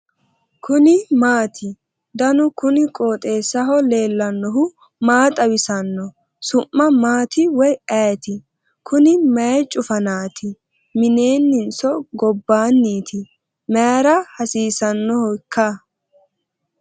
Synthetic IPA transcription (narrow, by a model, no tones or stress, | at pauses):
kʰʊnɪmaːt̪ʰɪ | d̪ɐnʊkʊnɪkʼoːt̪ʼe̞ːsɐɦɔle̞ːlːɐnːɔɦʊ | maːt̪ʼɐwɪsɐnːɔ | sʊmːɐmaːt̪ɪwɔjɐjt̪ɪ | kʰʊnɪmɐɛt͡ʃʼʊfɐnaːt̪ʰɪ | mɪne̞ːnːɪnsɔɡɔbːaːnːiːt̪ʰɪ | mɛɾɐhɐsiːsɐnːɔhɔkʰːɐ